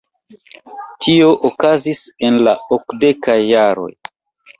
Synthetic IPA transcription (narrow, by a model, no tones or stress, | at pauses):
tʰio̞ʔokazise̞nla̰okde̞kajːaɾo̞̰j